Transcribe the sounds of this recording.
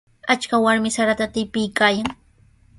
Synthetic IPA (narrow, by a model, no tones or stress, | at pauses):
at͡ʃkawaɾmɪsaɾat̪at̪ɪpɪjkaːjaŋ